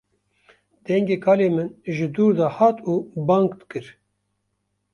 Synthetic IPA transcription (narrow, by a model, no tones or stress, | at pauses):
d̪̥ɛŋɡeːkʰɑːleːmɨnʒɨd̪uːɾd̪aːhɑːt̪uːbɑːŋkd̪ɨkɨɾ